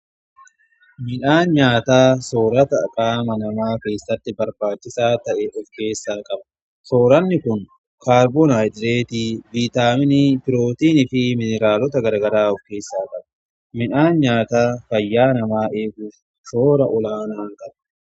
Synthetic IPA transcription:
mɪnaːnɲaːt̪aːsoːɾɐt̪ɐkʼaːmɐnɐmaːke̞ːsːɐt̪ːɪbɐɾbaːt͡ʃːɪsaːt̪ɐʔɛʔɔfke̞ːsːaːkʼɐb | soːɾɐnːɪkʊŋ | kaːɾbɔnajd̪ɾeːt̪iːviːt̪aːmɪnipɪɾo̞ːt̪iːnɪfɪmɪnɛɾaːlɔt̪ɐɡɐɾɡɐɾaːɔfke̞ːsːaːkʼɐbɐ | mɪᶑaːnɲaːt̪aːfɐjːaːnɐmaːʔe̞ːɡʊf | soːɾɐʔʊlaːnaːŋkʼɐl

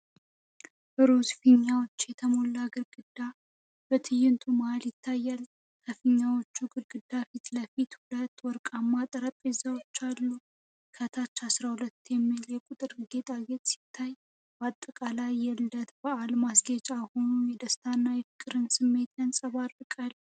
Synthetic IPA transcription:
bəɾo̞sfɨɲːawo̞t͡ʃːjɛt̪ʰəmo̞lːaɡɨɾɡɨd̪ːa | b̥ət̪ʰɨjɪnt̪ʰumaljɪt̪ʰːajːal | kʰəfɨɲːawot͡ʃːuɡɨɾɡɨd̪ːafit̪ləfit̪hulət̪ːwɔɾkʼamːat̪ʼəɾəp̪ʼezawot͡ʃːalːu | kʰət̪ʰat͡ʃːasɾahulət̪ːjɛmːiljɛkʼʊt̪ʼɨɾɡe̞t̪ʼaɡet̪ʼsi̥t̪ʰːaj | bat̪ʼːəkʼalajːɛlːət̪bəʔalmasɡət͡ʃʼaho̞nujɛd̪əst̪ʰanːajɛfɨkʼɨɾɨnsɨmːe̞t̪jɛnsʼəβarːɨkʼal

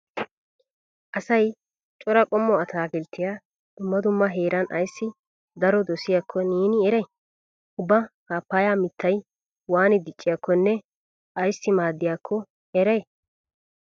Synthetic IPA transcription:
ʔɐsɐj | t͡ʃʼɔɾɐkʼɔmːɔɐt̪ʰaːɡɪlt̪ːɪja | d̪̥ʊmːɐd̪ʊmːɐɦeːɾʔɐnʔɐ̰jsːɪ | d̪ɐɾɔd̪ɔsɪjakʰːɔniːnɪɛɾɐj | ʊbːɐhaːpːaːjaːmɪt̪ʰːɐj | waːnɪd̪ɪt͡ʃʼːɪjɐkʰːɔnːɛ | ɐjsːɪmaːd̪ːɪjakʰːɔ | hɛɾɛj

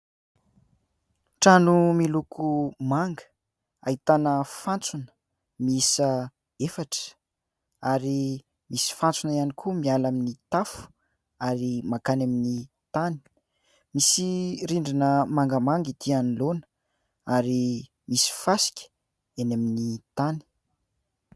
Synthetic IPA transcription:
ʈ͡ʂanumilukʰumaŋɡə̥ | ait̪anəfant͡sunə̥ | miisə | efaʈ͡ʂə̥ | aɾi | misi̥fant͡sunaianikʰumialaminit̪afu̥ | aɾimakanamini | t̪ani̥ | misiɾiɳɖ͡ʐinəmaŋɡəmaŋɡid̪ianilonə̥ | aɾi | misi̥fasi̥kʲə̥ | enaminit̪ani̥

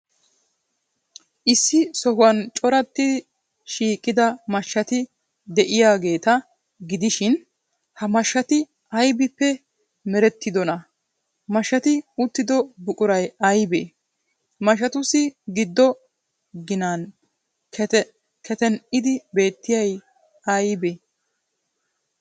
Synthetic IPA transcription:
ʔɪsːɪsɔhʊwɐnt͡ʃʼɔɾɐt̪ːɪ | ʃiːkʼːɪd̪ɐmɐʃːɐt̪ɪ | d̪ɛʔɪjaːɡe̞ːt̪ɐ | ɡɪd̪ɪʃɪn | hɐmɐʃːɐt̪ɪ | ɐjbɪpːɛ | mɛɾɛt̪ːɪd̪ɔnɐ | mɐʃːɐt̪ɪʊt̪ːɪd̪ɔbʊkʼʊɾɐjɐjbe | mɐʃ̬ɐt̪ʊsɪɡɪd̪ːɔ | ɡɪnan | kʰɛt̪ɛnɪd̪ɪbe̞ːt̪ːɪjɐj | ɐjbe

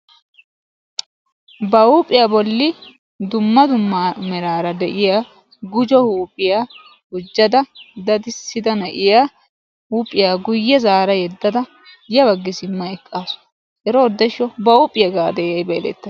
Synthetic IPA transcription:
bɐupʼːɪjaːbɔlːɪ | d̪ʊmːɐd̪ʊmːamɛɾaːɾɐd̪ɛʔɪjaː | ɡʊd͡ʒɔhuːpʼɪjaː | hʊd͡ʒːɐd̪ɐd̪ɐd̪ɪsːɪd̪ɐnɐʔɪjaː | huːpʼːɪjaːɡʊjːɛzaːɾɐjɛd̪ːɐd̪ɐ | jɐbɐɡːɪsɪmːɐɛkʼːaːsʊ̥ | ɛɾɔːd̪ːɛʃːɔbɐuːpʼːɪjɐɡaːd̪ɛjɐjbɛɛlɛ̰t̪ːɐ

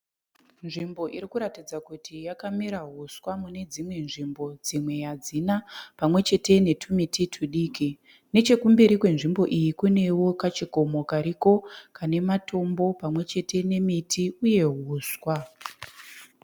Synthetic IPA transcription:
nʐimbo̞ʔiɾikuɾatid͡zakutʰijakamiɾaɦuswamune̞d͡zimwe̞nʐimbo̞d͡zimwe̞jad͡zinapamwe̞t͡ʃe̞te̞ne̞tʰumitʰitʰuɗiːki | ne̞t͡ʃe̞kumbiɾikwe̞nʐimbo̞ʔijikune̞wo̞kat͡ʃiko̞mo̞kaɾiko̞kane̞matʰo̞mbo̞pamwe̞t͡ʃe̞tʰe̞ne̞mitʰiuje̞ɦuːswa

